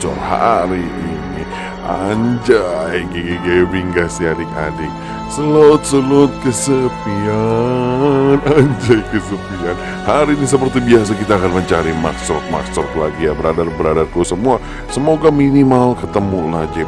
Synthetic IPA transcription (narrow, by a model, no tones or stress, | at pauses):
t͡ʃɔ̰rha̰ɾiʔini | a̰ɲd͡ʒajɡeɡeɡebiŋkasiadɪka̰dɪk̚ | səlot̪̚səlʊt̪̚kəsəpia | naɲd͡ʒajkəsəpian | haɾiːnisəpərt̪ibias̬akit̪aːkanməɲt͡ʃaɾima̰st̪ɾɔk̪̚ma̰st̪ɾɔklaɡijabəɾadarbəɾadarkusəmua | səmoɡaminimalkət̪əmulad͡ʒi